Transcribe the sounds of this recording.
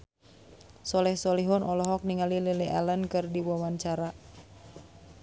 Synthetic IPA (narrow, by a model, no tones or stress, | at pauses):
sɔlɛhsɔliɦɔnʔɔlɔɦɔk̚niŋalileleʔa̰lənkɨrdiwawaɲt͡ʃaɾa